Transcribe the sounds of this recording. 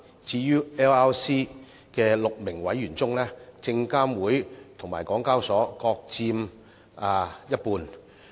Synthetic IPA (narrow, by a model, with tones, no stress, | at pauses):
t͡siː˧jyː˥ɛː˥waː˥wsiː˥ | kɛː˧lʊ˨k̚mɪ˨˩ŋwɐ˨˥jyː˨˩nt͡sʊ˥ŋlɛː˥t͡sɪ˧ŋkaː˥mwuː˨˥jt̪ʰʊ˨˩ŋmaː˨˩jkɔː˨˥ŋkaː˥wsɔː˨˥kɔː˧k̚t͡siː˧m | aː˨˩jɐ˥t̚puː˧n